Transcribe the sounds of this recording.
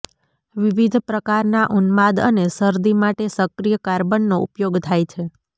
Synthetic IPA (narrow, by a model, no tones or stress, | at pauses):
ʋiʋid̪ʱpɾəkaɾnaʔunmad̪ə̰nesəɾd̪imaʈesəkɾijəkaɾbənːoṵpjoɡt̪ʰajt͡ʃʰe